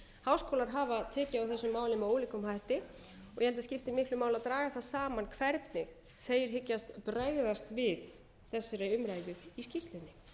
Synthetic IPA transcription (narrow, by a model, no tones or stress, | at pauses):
haːwskowlaɾ̥ɦaːvat̪ʰɛːcɪawθɛsːʏmːaːwlɪmɛoːwlikʏmɦajht̪ɪ | ɔɣjɛhɛlt̪ascɪft̪ɪmɪhklʏmaːwlaðt̪ɾaːɣaθaðsaːmankʰvɛɾt̪nɪ | θejɾ̥ɦɪcːast̪pɾeːɣðast̪vɪð | θɛsːɪɾaʏmɾajðʏiscist̪lɪnːɪ